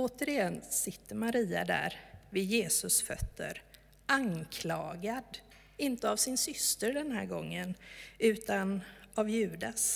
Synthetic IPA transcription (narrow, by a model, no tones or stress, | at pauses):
oːt̪əɾɪjɛnsɪt̪ʰːəɾmaɾiːa̰d̪æ̰ɾvɪd̪jeːsɵsfœ̰t̪ʰːə̰ɾ | aŋkʰlɑːɡad̪ | ɪnt̪əavsɪnsʏst̪əɖɛnɦæ̰ːɾɡɔŋːənʉ̟ːt̪anavjʉ̟ːd̪as